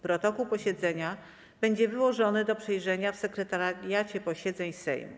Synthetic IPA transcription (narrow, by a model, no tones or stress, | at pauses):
pɾɔt̪ɔkuwpɔɕɛd̪zɛɲa | b̥ɛɲd͡ʑɛvɘwɔʐɔnɘd̪ɔpʂɛjʐɛɲafsɛkɾɛt̪aɾʲjat͡ɕɛpɔɕɛd̪zɛɲsɛ̰jm